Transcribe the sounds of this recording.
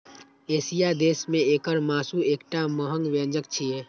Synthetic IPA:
esijad̪esmeekəɾmasuekʈaməɦəŋɡʋẽnd͡ʒək̚t͡ʃʰije

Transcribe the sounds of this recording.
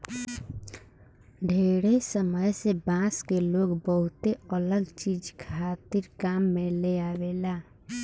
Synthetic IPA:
ɖʱeɾesəməjsebãskeloɡbəɦut̪eələɡt͡ʃid͡ʒkʰat̪iɾkamːeleabela

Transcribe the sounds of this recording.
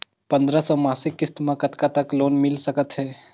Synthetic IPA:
pɐ̃nd̪ɾasɔmaːsɪkːɪst̪mãkɐt̪kat̪ɐkloːnmɪlsɐkət̪ɦɛː

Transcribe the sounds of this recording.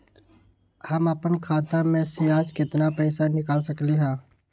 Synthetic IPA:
həməpənkʰaːt̪ãmẽseaːd͡ʒkɪt̪napɛɪsanɪkaːlsəkliɦãː

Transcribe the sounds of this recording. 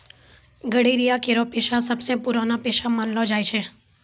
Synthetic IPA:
ɡəɽiɾijakeɾopeʃasəbsẽpuɾanapeʃamanlod͡ʒajt͡ʃʰe

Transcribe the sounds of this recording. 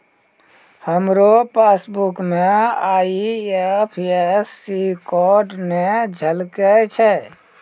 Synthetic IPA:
həmɾopeːsbukmẽaːiepʰesːikɔɖned͡ʒʱəlket͡ʃʰɛ

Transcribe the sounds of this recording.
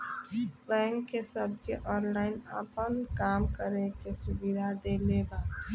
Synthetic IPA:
bɛ̃ːŋkːesəb̚ʱkeʔɔ̃ːnlaːɪnə̰pənkaːmkəɾekesʊbid̪ʱad̪eleɡa

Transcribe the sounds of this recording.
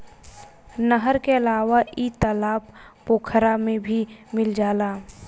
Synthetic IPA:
nəɦəɾkeəlaːʋaʔit̪əlaːpː | oːkʰəɾamẽbʱimɪld͡ʒaːlaː

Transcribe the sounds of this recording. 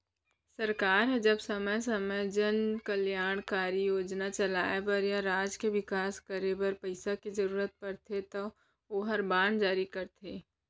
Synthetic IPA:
sɐɾkaːɾɦɛd͡ʒɐbsɐməjsɐməjd͡ʒənkəljaːɽ̃kaːɾijoːd͡ʒnat͡ʃɐlaːepɐɾjaɾaːd͡ʒkeʋɪkaːskəɾebəɾpɐɪsakizɐɾuːɾət̪̚pɐɾt̪ʰet̪o | oɦɐɾbaːɳd͡ʒaːɾikɐɾt̪ʰeː

